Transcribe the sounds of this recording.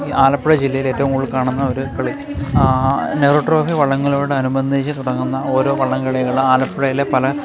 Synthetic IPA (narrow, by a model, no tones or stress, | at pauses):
iʔaːlɐpːiɽɐd͡ʑilːɐjile̞ːtːɐʋumuɭːkaːɳunːɐo̞ɾukɐɭi | nekroːʈro̞ːfiʋɐɭːɐŋːɐɭoːɽeɐnubɐnd̪ʱit͡ɕːɨt̪uɽɐŋːunːɐo̞ːɾo̞ːʋɐɭːɐŋɡɐɭɐjɣɐɭaːlɐpːɽɐjilepɐlɐ